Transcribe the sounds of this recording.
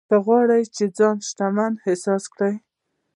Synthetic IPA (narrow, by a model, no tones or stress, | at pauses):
kəɣwɑɽajt͡ʃed͡zɑnʃt̪amanhɪsɑskɽaj